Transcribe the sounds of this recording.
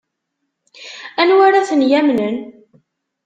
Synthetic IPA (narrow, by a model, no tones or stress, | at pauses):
ænwaɾaθənjæmnən